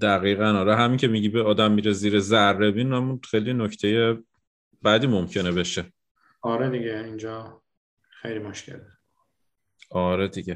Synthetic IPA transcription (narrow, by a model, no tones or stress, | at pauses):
d̪̥æɣiːɣænɒːɾɛɦæmiːcʲʰemiɟiːbeɒːd̪æmːiɾeziːɾezærːe̞biːnnæmunxejlinocʰt̪ʰe̞je | bæd̪iːmomcʰe̞nebe̞ʃe | ɒːɾed̪iɡeind͡ʒɒː | xejlimoʃcʰḛle | ɒːɾed̪iɟe